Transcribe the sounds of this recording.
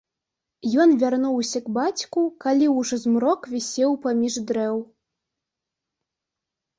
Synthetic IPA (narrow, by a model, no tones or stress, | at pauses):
jɔnvʲarnuwsʲɐɡbat͡sʲkukalʲiwʐɔzmɾɔkvʲisʲɛwpamʲiʐd̪ɾɛw